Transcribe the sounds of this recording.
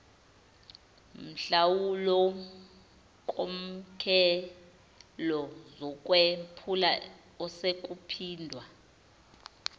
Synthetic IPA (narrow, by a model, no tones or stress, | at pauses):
m̩ɬawulɔ | kʼom̩kʰɛ | lɔzɔk̬ʼwɛpʰula | ɔsek̬ʼupʰiːndʱwa